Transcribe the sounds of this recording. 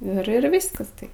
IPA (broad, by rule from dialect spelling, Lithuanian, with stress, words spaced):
ɪr ˈɪr ˈʋʲiːskɐs tɐɪ